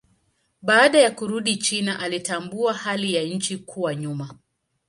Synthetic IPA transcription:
ɓaːɗajakuɾuɗit͡ʃinaʔalitambuahalijaɲ̩t͡ʃikʰuwaɲuma

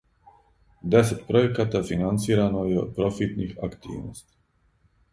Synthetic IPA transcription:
d̪ɛsɛt̪pɾojɛkat̪afinant̪siːɾanojɛo̰pɾofit̪nixakt̪ḭːʋno̰st̪i̥

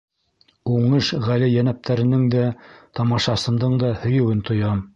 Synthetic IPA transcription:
uɴɤʃʁælɘjænæp̚t̪ʰæɾɘ̆nɘŋd̪æt̪ɑmɑʃɑsɤ̆nd̪ɤɴd̪ɑhɵ̆jɘ̆wɘnt̪ʰŏjɑm

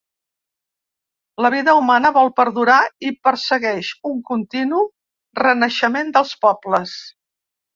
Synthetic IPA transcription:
ləβ̞iðəumanəβɔlˠpəɾðuɾaipəɾsəɣɛʃuŋkunt̪inu | rənəʃəmend̪əlˠspɔbləs

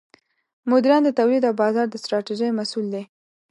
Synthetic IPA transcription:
mʊd̪iɾɑnd̪ət̪awlid̪awbɑzɑɾd̪əst̪ɾɑʈiʒəjmasuld̪e

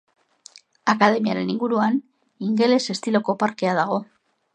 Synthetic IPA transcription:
akaðe̞miaɾe̞niŋɡuɾuan | iŋɡe̞le̞se̞st̪ilo̞ko̞paɾke̞að̞aɣ̞o̞

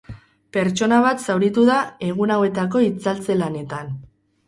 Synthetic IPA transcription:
pe̞ɾt͡ʃo̞naβ̞at̪sawɾit̪uðae̞ɣ̞unawe̞t̪ako̞it͡salt͡se̞lane̞t̪an

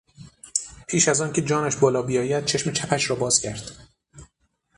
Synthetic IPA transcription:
pʰiːʃæzɒːncʰe̞d͡ʒɒːnæʃbɒːlɒːbijɒːjæd̪̥̚t͡ʃʰe̞ʃmet͡ʃʰæpæʃɾɒːbɒːz̥cʰæɾd̪̥

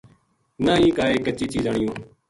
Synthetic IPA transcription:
nãːɦĩːkaːeːkət͡ʃiːt͡ʃiːzaːɳɪjõː

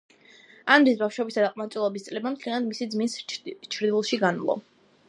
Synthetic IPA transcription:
anɾisbafʃwɛbisad̪aqʼmat̪sʼulˠɔbist̪sʼlɛbamt̪ʰlianad̪misid̪zminst͡ʃʰɾd̪ilˠʃiɡanlˠɔ̰

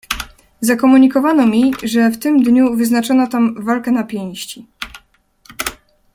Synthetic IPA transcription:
zakɔmuɲikɔvanɔmʲiʐɛft̪ɘmd̪ɲuvɘznat͡ʂɔnat̪amvalkɛnapʲjẽj̃ɕt͡ɕi

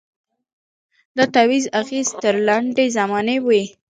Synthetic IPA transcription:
d̪ət̪awizaxezt̪əɾlaɳɖezamɑnewi

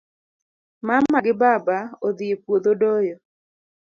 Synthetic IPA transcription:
mamːaɡɪbabaod̪ɪepwod̪odojɔ

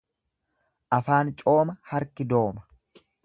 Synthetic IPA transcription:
ʔɐfaːnt͡ʃʼo̞ːmɐhɐɾkɪd̪o̞ːmɐ̥

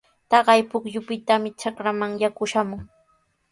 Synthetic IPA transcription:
t̪ɑɢɑjpʊkjʊpɪt̪amɪt͡ʃakɾamaŋjakʊʃamʊŋ

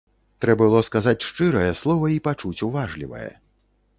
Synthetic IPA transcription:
t̪ɾɛbɐbɨlˠɔskazat͡sʲʂt͡ʂɨɾɐjɛslˠɔvɐipat͡ʂut͡sʲuvaʐlʲivɐ̰jɛ̰

